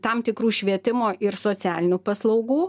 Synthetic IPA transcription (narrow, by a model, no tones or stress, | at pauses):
t̪ɐmt̪ʲɪkɾuːʃʲʋʲiɛt̪ʲɪmoːʔɪɾsoːsʲæːlʲɪnʲuːpɐslˠɐʊɡuː